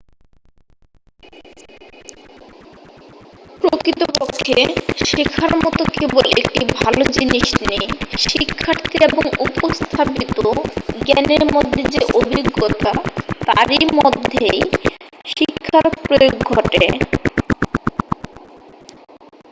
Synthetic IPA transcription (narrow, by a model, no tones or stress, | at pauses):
pɾokɾit̪opɔkʰːeʃikʰaɾmɔt̪okebolek̚ʈibʱalod͡ʑiniʃnejʃikʰːaɾt̪ʰieboŋupost̪ʰapit̪oɡɛneɾmod̪ʱːed͡ʑeʔobʱiɡːot̪at̪aɾimɔd̪ʱːej | ʃikʰːaɾpɾojoɡːʱɔʈe